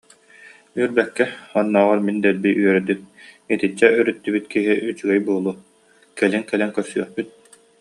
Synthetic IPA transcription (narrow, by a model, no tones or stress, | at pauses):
yɾbɛkːɛχɔnːɔːʁaɾmind̪ɛlbiyœɾd̪yk̚it̪it͡ɕːɛyɾyt̪ːybyt̪kiɦiʔyt͡ɕyɡɛjbuːlˠuː | kɛliŋkɛlɛŋkœɾsyœχpyt̪̚